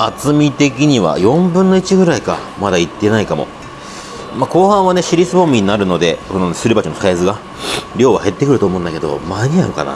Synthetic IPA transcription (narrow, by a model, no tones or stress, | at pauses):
at͡sɨmʲit̪e̞kʲiɲ̟iβa̰jõ̞mbɯ̃nːo̞it͡ɕiɡɯ̟ɾaika̰ | mad̪ait̪ːe̞naikamo̞̰ | maːko̞ːhãɰ̃βane̞ɕiɾʲisɨbõ̞mʲiɲ̟inaɾɯ̟no̞d̪e̞ko̞nonsɨɾʲibat͡ɕinosaezɨɡa | ɾʲo̞ːβa̰he̞t̪ːe̞kɯɾɯ̟t̪o̞ːmõ̞ːnd̪ake̞d̪o̞̰maɲ̟iã̰ŋka̰na̰